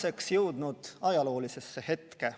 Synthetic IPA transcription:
se̞ksjɤwd̪̥nud̪̥ɑjɑlo̞ːlise̞sːehe̞t̪ke̞

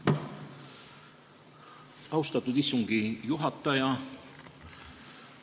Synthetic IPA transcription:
ɑwst̪ɑt̪ːud̪isːuŋɡ̥ijuɦɑt̪ˑːɑjɑ

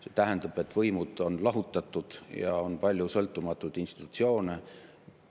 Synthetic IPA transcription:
set̪æɦend̪ɑb̥e̞t̪ːˑvɤjmud̪̥o̞nlɑɦut̪ːˑɑt̪ːˑud̪̥jɑ̰onpɑlʲːjusɤlt̪ːˑumɑt̪ːˑud̪̥inst̪i̥t̪ːˑu̥t̪sio̞ːne

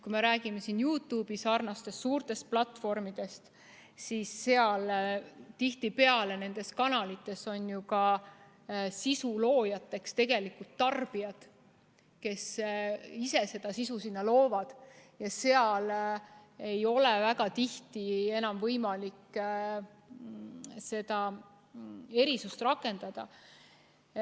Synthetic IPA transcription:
kume̞ɾæːɡ̥ime̞sinjuːt̪ˑuːb̥isɑrnɑst̪e̞ssuːrt̪e̞st̪̚plɑt̪ːˑfo̞rmid̪̥e̞st̪ | sisːe̞ɑlt̪iht̪ipe̞ɑle̞ne̞nd̪̥e̞skɑnɑlit̪ːˑe̞so̞njukɑ | sisulo̞ːjɑt̪ːˑe̞kst̪e̞ɡ̥e̞likult̪ːɑrb̥iɑd̪̥ | ke̞s | ise̞se̞d̪̥ɑsisusinːɑlo̞ːvɑd̪̥jɑse̞ɑl | e̞jo̞levæɡɑt̪iht̪ie̞nɑmvɤjmɑlik | se̞d̪̥ɑ | e̞ɾisust̪rɑkːˑe̞nd̪̥ɑd̪̥ɑ̰

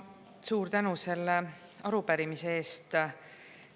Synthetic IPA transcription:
suːɾt̪ænuse̞lːe | ɑɾupæɾimisee̞ːst̪

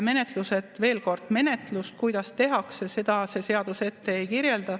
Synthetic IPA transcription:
me̞net̪luse̞d̪ve̞ːlko̞rd̪̥me̞ne̞t̪lust̪̚kujd̪̥ɑst̪e̞ɦɑksese̞d̪̥ɑse̞se̞ɑd̪̥use̞t̪ːe̞ejkiɾjeld̪̥ɑ

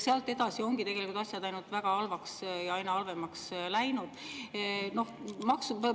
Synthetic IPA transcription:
seɑlt̪ːˑe̞d̪̥ɑsio̞ŋɡ̥it̪e̞ɡe̞likult̪ɑsʲjɑd̪ɑjnult̪væɡ̥ɑɑlvɑksjɑɑjnɑɑlve̞mɑkslæjnud̪̥ | no̞hmɑksu

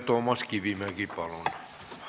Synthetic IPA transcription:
t̪omɑskiʋimækipɑlon

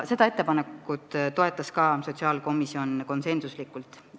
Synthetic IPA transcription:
se̞d̪ɑe̞t̪ːe̞pɑnekːˑut̪t̪o̞e̞t̪ˑːɑskɑso̞t̪ʲsiɑːlko̞misio̞nko̞nse̞nsuslikːˑult̪ˑ

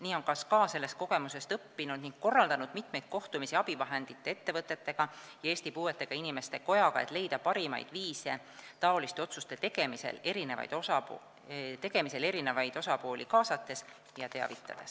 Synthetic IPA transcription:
niːo̞nkɑskɑːse̞lːe̞st̪̚ko̞ɡ̥e̞muse̞st̪ɤpːinud̪̥niŋɡ̥̚ko̞rːɑld̪ɑnud̪̥mit̪mejt̪̚ko̞ht̪umisiɑb̥ivɑɦe̞nd̪̥it̪ˑːe̞e̞t̪ːe̞vɤt̪ˑːe̞t̪ːe̞ɡ̥ɑ | jɑe̞ːsʲt̪ipuːe̞t̪ˑːe̞ɡ̥ɑinime̞st̪e̞ko̞jɑɡ̥ɑḛt̪ˑle̞jd̪̥ɑpɑɾimɑ̰jd̪̥viːse | t̪ɑo̞list̪eo̞t̪sust̪e̞t̪eɡ̥e̞misḛle̞ɾine̞vɑ̰jd̪oɑ | t̪e̞ɡ̥e̞mise̞le̞ɾine̞vɑjd̪o̞sɑpo̞ːlʲʔikɑːsɑt̪ːˑe̞s | jɑt̪e̞ɑ̰vit̪ːˑɑ̰d̪̥e̞s

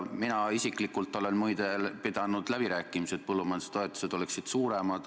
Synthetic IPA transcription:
minɑisikˑlikˑult̪ːˑo̞le̞nmujd̪elped̪̥ɑnud̪̥læb̥iɾæːkːˑimise̞d̪̚pɤlːumɑnse̥t̪oe̞t̪ːˑu̥sed̪o̞leksid̪̥suːɾe̞mɑd̪̥

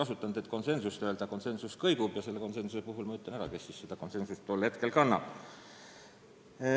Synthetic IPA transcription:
ɑsut̪ːˑɑnd̪̥e̞t̪ːˑko̞nse̞nsust̪øeld̪̥ɑko̞nse̞nsuskɤjɡ̥ub̥jɑse̞lːe̞ko̞nse̞nsuse̞puɦulmɑyt̪lɑnæɾɑ̰ke̞sːiːsːed̪̥ɑko̞nse̞nsust̪ːolhe̞t̪ke̞lkɑnːɑ̰b̥

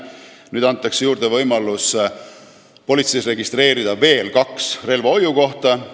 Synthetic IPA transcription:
nyːd̪̥ɑnt̪ːˑɑksjuːrd̪̥e̞vɤjmɑlus | po̞lʲit̪sejsre̞ɡist̪re̞ːɾid̪̥ɑve̞ːlkɑksre̞lvɑo̞juko̞ht̪ɑ

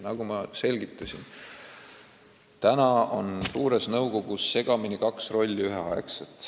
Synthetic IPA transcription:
nɑɡ̥umɑse̞lʲɡ̥it̪ːˑɑsʲin | t̪ænɑo̞̰nsuːɾe̞snɤwko̞ɡ̥usːe̞ɡ̥ɑminikɑksro̞lʲːiyɦeɑekset̪ːˑ

